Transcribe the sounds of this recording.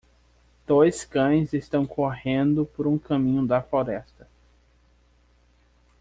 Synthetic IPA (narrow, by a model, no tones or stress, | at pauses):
d̪̥ojskɐ̃j̃zest̪ɐ̃w̃kʰoɦẽnd̪ʊpoɾũkɐ̃mĩɲʊd̪ɐfloɾɛst̪ɐ